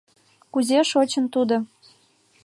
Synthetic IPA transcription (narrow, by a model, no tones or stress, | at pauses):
kuzeʃot͡ɕə̆nt̪ud̪ŏ